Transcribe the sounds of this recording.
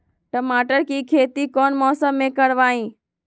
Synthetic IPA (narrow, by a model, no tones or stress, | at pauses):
ʈɐmaːʈəɾkiːkʰeːt̪ikɔːnmɔːsəmːẽkɐɽʋaːɦĩː